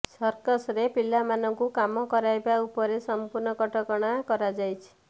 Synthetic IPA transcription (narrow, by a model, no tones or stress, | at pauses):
sɔɾkɔsɾepilːamanɔŋkukamɔkɔɾajbaupɔɾesɔmpuɾnɔkɔʈɔkɔɽ̃akɔɾad͡ʒajt͡ʃʰi̥